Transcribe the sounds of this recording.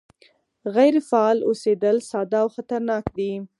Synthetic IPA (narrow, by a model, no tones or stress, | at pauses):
ɣajɾfaɑlosed̪əlsɑd̪ɑːwxat̪aɾnɑkd̪i